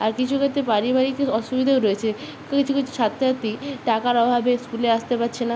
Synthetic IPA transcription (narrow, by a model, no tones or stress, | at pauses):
aɾkit͡ɕʰuket̪epaɾibaɾikɔʃubid̪ʱeoɾoet͡ɕʰe | kit͡ɕʰukit͡ɕʰu̥ʃat̪ːɾat̪iʈakaɾɔbʱabeskuleaʃt̪epatːɕʰena